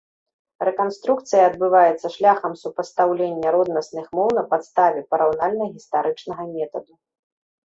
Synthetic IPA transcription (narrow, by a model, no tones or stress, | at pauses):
ɾɛkanst̪ɾuk̚t̪sɨjɐːd̪̚bɨvajɛt̪sːɐʂlʲaxɐmsupɐst̪awlʲenʲːɐɾɔd̪nɐsnɨxmɔwnɐpat̪st̪avʲɛpɐɾawnalʲnɐɣʲist̪aɾɨt͡ʂnɐɣɐmʲɛt̪ɐd̪u